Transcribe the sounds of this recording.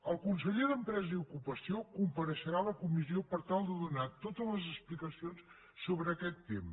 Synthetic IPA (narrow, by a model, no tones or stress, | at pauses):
əlˠkunsəʎeðəmpɾɛzəiukupəsiokumpəɾəʃəɾaləkumiziopəɾt̪alˠd̪əðunat̪ot̪ələzəsplikəsions | soβɾəːkɛt̪ːem